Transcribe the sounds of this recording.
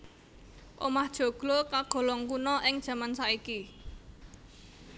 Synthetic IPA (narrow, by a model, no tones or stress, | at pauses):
ʔo̰mahd̥ʒ̥ɔ̤ɡ̥lokaɡ̥ɔ̤lɔŋkunɔʔɪŋd̥ʒ̥ä̤mansaiki